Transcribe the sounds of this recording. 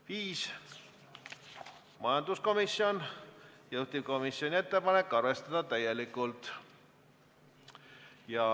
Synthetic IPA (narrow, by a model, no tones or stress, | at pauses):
viːs | mɑjɑnd̪̥usko̞misio̞njɤwt̪ip̚ko̞misio̞nʲie̞t̪ːe̞pɑne̞kˑːɑrve̞st̪ɑd̪̥ɑt̪æje̞likːˑult̪ˑ | jɑ